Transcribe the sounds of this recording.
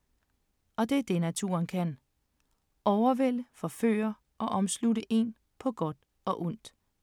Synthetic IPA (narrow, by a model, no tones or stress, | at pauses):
ɒ̽d̥e̝æɐd̥e̝næt͡sʰṵɐnkʰæn | ɒʊɐʋel̰əfɒ̽fø̰ːɐ | ʔɒ̽ʔɒ̽msluɾəʔe̝̰n | pʰɒ̽ɡ̥ɒ̽d̥ | ɒ̽ʔɔn̰d̥